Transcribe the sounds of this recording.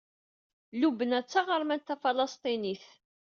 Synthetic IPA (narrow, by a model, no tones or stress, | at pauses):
lubənæt͡sːaʁəɾˤmænt̪ːæfɑlɑst̪ˤiniθ